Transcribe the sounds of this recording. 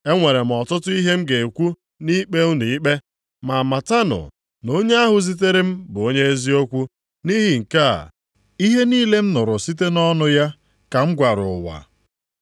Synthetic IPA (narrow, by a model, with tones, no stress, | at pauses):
e˦ŋʷe˨ɾe˨m̩˨ɔ˨tʊ˦tʊ˦i˦ɦe˦m̩˦ɡe˨kʷu˦ | ni˦k͡pe˦l̩˦ni˨˦k͡pe˦ | ma˨ma˨ta˦nʊ̰˨ | no˦ɲe˦a˦ɦʊ˨zi˦t̬e˦ɾe˦m̩˦bʊ˨o˦ɲe˦e˦zi˦o˦kʷu˦ | ni˦ɦi˨ŋ̩˨ka̰˦˨ | i˦ɦe˦niː˦le˦m̩˦nʊ˨ɾʊ˨si˦t̬e˦nɔ˦nʊ˦ja˦ | ka˨ŋ͡m̩˦ɡʷa˨ɾʊ˨wa̰˨